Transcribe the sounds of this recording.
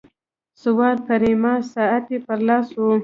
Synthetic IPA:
sʊwɑːɾpaɾemɑsɑat̪epəɾlɑswu

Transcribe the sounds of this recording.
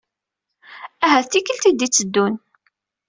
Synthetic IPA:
æɦæθθikəlt̪id̪it͡sːəd̪ːun

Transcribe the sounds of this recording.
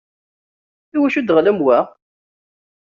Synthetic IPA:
θiwæʃud̪ʁləmwæ

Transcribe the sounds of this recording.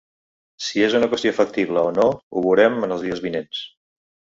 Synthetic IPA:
siezunəkwəst̪iofək̚t̪iβləonouβ̞uɾɛmənəlˠzðiəzβinens

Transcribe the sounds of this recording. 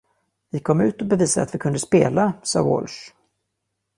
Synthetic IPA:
vɪkʰɔmːʉ̟ːt̪ɔbɛviːsad̪əat̪vɪkʰɵnd̪əspeːlasɑ̰ːwo̰lʂ

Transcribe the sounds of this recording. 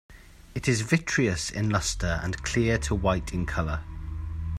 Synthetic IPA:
ɪtʰɪzvɪt͡ʃɹ̥iəsɪ̰̃nlʌstəɹə̰̃nkʰl̥ɪətʰəwaɪtʰɪ̃nkʰʌlə

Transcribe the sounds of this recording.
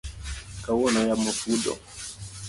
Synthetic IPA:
kawɔnajamɔfuɗɔ̰

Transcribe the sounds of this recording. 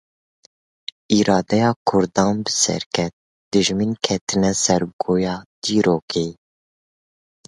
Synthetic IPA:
iːɾɑːd̪ɛjɑːkʰʊɾd̪ɑːnbɨsɛ̰ɾkʰɛt̪̚ | d̪̥ɨʒminkʰɛt̪ʰɨnɛsɛɾɡoːjɑːd̪̥iːɾoːkeː

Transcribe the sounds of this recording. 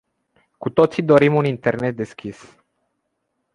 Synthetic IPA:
kut̪o̞t̪sid̪o̞ɾimunint̪e̞rne̞t̪̚d̪e̞skʲis

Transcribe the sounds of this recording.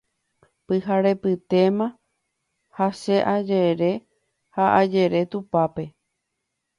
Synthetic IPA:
pɨɦaɾe̞pɨt̪e̞mã | haʃe̞ʔad͡ʒeɾe̞ | haʔad͡ʒe̞ɾe̞t̪upape̞

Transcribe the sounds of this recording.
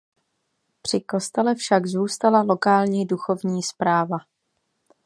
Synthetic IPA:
pr̥ɪko̞st̪ɛlɛfʃaɡzuːst̪alalo̞kaːlɲiduxo̞vɲiːspɾaːva

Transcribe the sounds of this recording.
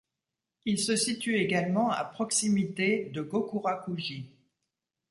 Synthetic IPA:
ilsəsit̪yeɡalmɑ̃a̰pχɔksimit̪ed̪əɡokuʁakuʒi

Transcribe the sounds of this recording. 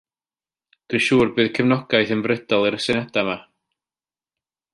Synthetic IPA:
d̥wiʃuːrbɨːðkʰəvnɔɡ̥ajθənvrɪd̥ɔlˠiɾəsɪnɛd̥ama

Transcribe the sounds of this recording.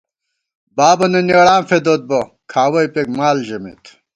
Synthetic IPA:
baːbɐnɐniɐɽaːmfed̪oːt̪̚bo | kʰaːwɐjpekmaːlʑɐmḭt̪

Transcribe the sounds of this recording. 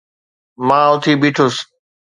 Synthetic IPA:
mãːʊt̪ʰiːbiːʈʰʊs

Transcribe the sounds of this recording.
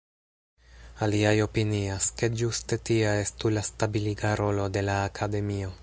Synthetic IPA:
aliajo̞piniaske̞d͡ʒuste̞tiae̞stulastabiliɡaɾo̞lo̞de̞laːkʰade̞mio̞

